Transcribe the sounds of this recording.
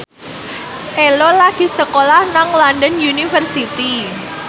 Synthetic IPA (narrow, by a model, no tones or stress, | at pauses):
ʔelolaɡ̥i̤səkolahnaŋlanɖənjunifərsit̪i